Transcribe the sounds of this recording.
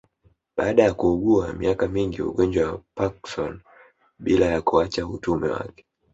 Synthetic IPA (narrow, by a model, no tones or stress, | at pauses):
ɓaːɗajakuːɡuamḭakamiŋɡiṵɡɔnd͡ʒwawapaksɔn | ɓilajakuat͡ʃautumɛ̰wa̰kɛ̥